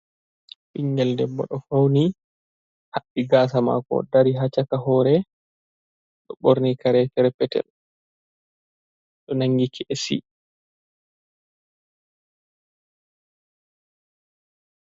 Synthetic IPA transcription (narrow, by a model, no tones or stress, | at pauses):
ɓiŋɡɛldɛbːɔ̰ɗɔfawni | haɗːiɡaːs̬ama̰kɔ̰daɾiɦat͡ʃakaɦɔːɾɛ | ɗɔɓoɾnikaɾɛfɛɾpɛtɛ̰l | ɗɔnaŋɡikiʔɛsḭ